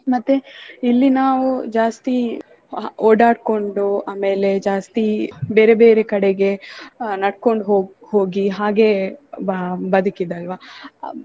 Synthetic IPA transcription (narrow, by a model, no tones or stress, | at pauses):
mɐt̪ːeilːinaːʋud͡ʒaːst̪i | oːɖaːɽko̞ɳɖuaːme̞ːle̞d͡ʒaːst̪ibe̞ːɾebe̞ːɾekɐɽeɡe̞nɐɽko̞ɳɖɦoːhoːɡiɦaːɡe̞ | bɐd̪ukid̪ɐlʋaː